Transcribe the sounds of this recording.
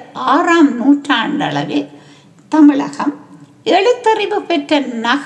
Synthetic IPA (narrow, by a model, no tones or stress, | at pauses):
aːraːmnuːʈraːɳɖɐ̰ɭɐ̰ʋɪ | t̪ɐmɪɭɐ̰ɣɐm | ɛɻɯt̪ːɐɾɪbɯpɛʈrɐnɐɣ